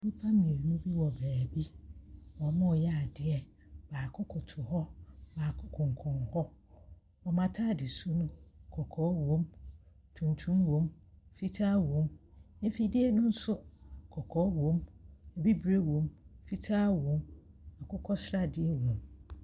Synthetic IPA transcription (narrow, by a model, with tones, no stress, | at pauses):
mĩ˦pʰã˦mĩ˨ɾi˨nʊ̃˦bi˦wɔ˨bæː˨bi˦wɔ˨mã˦˨jɛ˦a˨dɪ˦ɛ˨ | baː˨kʰʊ˦kʰɔ˨tʰʊ˨ɦɔ˦baː˨kʰʊ˦kʰɔ̃˨ŋ˨kʰɔ̃˨nhɔ˦ | ɔ˨mã˨tʰa˦˨dɪ˨su˦nʊ̃˦kʰɔ˨kʰɔ˦wõ˦m | tʰũ˨ntʰũ˦mwõ˨mfi˦tʰaː˦wõ˨˦mɪ̃˦fi˦dɪ˦ɛ˦nʊ̃˦n̩˦sʊ˦kʰɔ˨kʰɔ˦wõ˦mɛ˨bi˦bɾe˦wõ˨mfi˦tʰaː˦wõ˨ma˨kʰʊ˦kʰɔ˦sɾa˦dɪ˦ɛ˦wõ˨m